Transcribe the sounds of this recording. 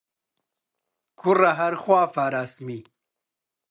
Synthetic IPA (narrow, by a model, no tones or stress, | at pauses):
kʰuɾaɦɐɾxwaːfaːɾaːsmi